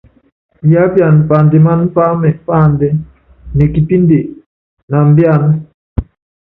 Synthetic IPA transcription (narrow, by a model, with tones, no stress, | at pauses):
ja˦pja˨n˨pa˨ndɛ˨ma˦n̩˦pa˦mɛ˨pa˦˨ndɛ˦ | nɛ˨ki˨ti˦nde˨ | na˨m˦bja˦˨n˦